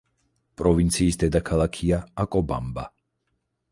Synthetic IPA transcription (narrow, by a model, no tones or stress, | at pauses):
pʼɾɔvint̪sʰiːsd̪ɛd̪akʰalˠakʰiaakʼɔba̰mba